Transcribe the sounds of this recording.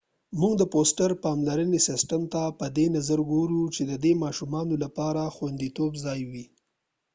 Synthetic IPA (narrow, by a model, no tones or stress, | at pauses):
muɡd̪əposʈaɾpɑmlaɾənesɪsʈamt̪apəd̪enazaɾɡoɾut͡ʃed̪əd̪emɑʃumɑnolapɑɾaxwand̪it̪obzɑjwi